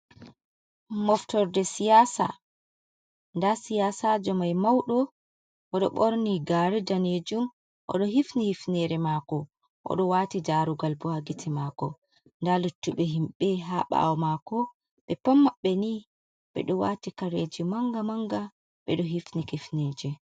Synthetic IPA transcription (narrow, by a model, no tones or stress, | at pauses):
mɔftɔɾdɛsijasa̰ | ndasijasad͡ʒɔmajmawɗɔ | ʔɔɗɔɓoɾniɡaɾidaneːd͡ʒum | ʔɔ̰ɗɔɦifnihifnɛɾɛmaːkɔ | ʔɔ̰ɗɔwatid͡ʒaɾuɡalbɔhaɡitʰɛmakɔ | ndalutːuɓɛɦimɓɛɦaɓa̰wɔmakɔ | ɓɛpamːaɓːɛni | ɓɛ̰ɗɔwaːtikaɾeːd͡ʒimaŋɡamaŋɡa | ɓɛɗɔɦifnikifneːd͡ʒɛ